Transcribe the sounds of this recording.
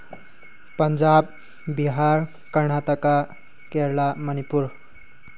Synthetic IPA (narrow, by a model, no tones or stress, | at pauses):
pʌnd͡ʒab̚ | biɦaɾ | kʌɾnat̪ʌka | keɾlamʌnipuɾ